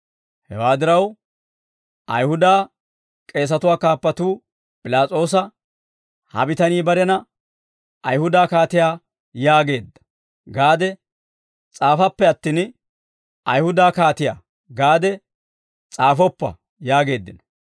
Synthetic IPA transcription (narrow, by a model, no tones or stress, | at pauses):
hɛwaːd̪ɪɾɐw | ʔɐjhʊd̪aː | kʼe̞ːs̬ɐt̪ʊwaːkaːpːɐt̪uː | pʼɪlaːt͡sʼo̞ːs̬ɐ | hɐ̰bɪt̪ɐniːbɐɾɛnɐ | ʔɐjhʊd̪aːkaːt̪ɪjaː | jaːɡe̞ːd̪ːɐ̥ | ɡaːd̪ɛ | t͡sʼaːfɐpːɛɐt̪ːiːn | ʔɐjhʊd̪aːkaːt̪ɪja̰ː | ɡaːd̪ɛ | t͡sʼaːfɔpːɐ̰ | jaːɡe̞ːd̪ːɪnɐ